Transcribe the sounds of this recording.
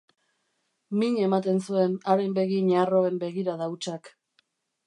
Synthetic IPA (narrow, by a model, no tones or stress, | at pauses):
miɲe̞mat̪̬e̞nsue̞naɾembe̞ɣiɲaro̞e̞mbe̞ɣiɾaðaut͡ʃak